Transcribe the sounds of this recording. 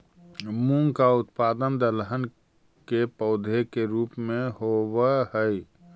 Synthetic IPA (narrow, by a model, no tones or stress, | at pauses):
mũŋkaʊt̪paːd̪ənd̪ələɦən | kepəʊd̪ʱekeɾuːpmẽɦowəhəj